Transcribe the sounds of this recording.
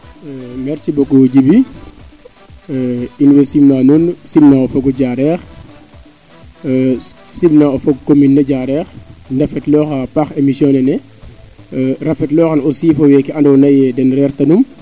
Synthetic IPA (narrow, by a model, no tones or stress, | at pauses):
mɛɾsibɔkːɔɟibi | inwɛsimnanunsimnaɔfɔɡɔɟaɾɛːx | simnaɔfɔɡkominːɛɟaɾɛxndɐfɛtlɔxapaxemisjɔnɛnɛ | rɐfɛtlɔːxɐnɔsiːfɔwɛkiɐndɔwnɐjɛdɛnrɛrtɐnum